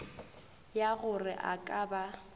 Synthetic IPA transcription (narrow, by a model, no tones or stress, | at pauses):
jaɣʊrɪʔa̰kʼaːba